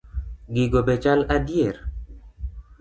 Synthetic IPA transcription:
ɡiɡobet͡ʃalad̪ijeɾ

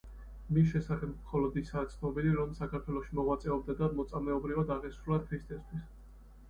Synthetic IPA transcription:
mis̬ʃɛsaχɛbmχɔlɔd̪isaːt̪sʰnɔbiliɾɔmsakʰaɾt̪ʰwɛlˠɔʃimɔʁwat̪sʼɛɔbd̪ad̪amɔt̪sʼamɛɔbɾivad̪aʁɛsɾulˠat̪̚kʰwist̪ʼɛst̪ʰwis

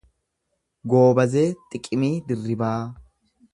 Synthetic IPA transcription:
ɡo̞ːbɐzeːt̪ʼɪkʼːɪmiːd̪ɪrːɪbaː

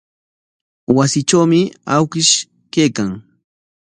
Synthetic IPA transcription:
wasɪʈ͡ʂawmɪawkɪʃ | kejkaŋ

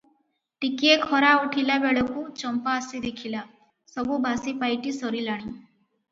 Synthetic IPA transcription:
ʈikiekʰɔɾauʈʰilabeɭɔkut͡ʃɔmpaːsid̪ikʰila | sɔbubʱasipajʈisɔɾilaɽ̃i

